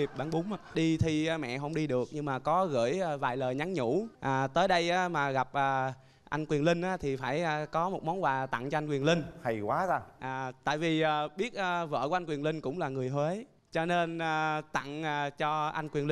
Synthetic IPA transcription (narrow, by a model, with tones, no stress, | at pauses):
i˨˩p̚ɓaː˨˦ŋɓʊ˨˦ŋ͡ma˧˨ɗi˧t̪ʰi˧˨˩mɛ̰˧˨ɦə˧wŋ͡mɗi˧ɗɨ˨˩ək̚ɲɨ˧ŋmaː˨˩kɔ˨˦ɣə̰˧˥jvaː˨˩jləː˨˩jɲa˨˦ŋɲṵ˧˥ʔaː˨˩t̪əː˨˦jɗə˧jʔaː˨˦maː˨˩ɣa˨˩p̚ʔəː˨˩ | ʔa˧jŋ̟kwi˨˩ənlï˧ŋ̟ʔaː˨˦t̪ʰi˨˩faː˧˩jaː˧˩kɔ˨˦mo˨˩t̚mɔ˨˦nkwaː˨˩t̪a̰˧˨ŋt͡ɕɔ˧a˧jŋkwi˨˩əlï˧ŋ̟ha˨˩jkwaː˨˦zaː˧ʔaː˨˩t̪a̰ː˧˨jvi˨˩ʔaː˨˩ɓi˦˥ət̚ʔəː˧və̰ː˧˨kʔa˧jŋkwi˨˩ənlï˧ŋ̟kʊ̰˧˥wŋ͡mlaː˨˩ŋɨ˨˩əjɦwe˨˦ | t͡ɕɔ˧ne˧nʔaː˨˩t̪a̰˧˨ŋaː˨˩t͡ɕɔ˧ʔa˧jŋ̟kwi˨˩əli˧